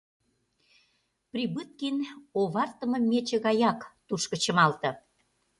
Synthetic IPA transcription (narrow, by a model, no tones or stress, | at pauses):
prʲibɨt̪̚kinoβɑrt̪ə̆mə̆mʲet͡ɕə̆ɣɑjɑkt̪uʃkə̆t͡ɕə̆mɑlt̪ɤ̆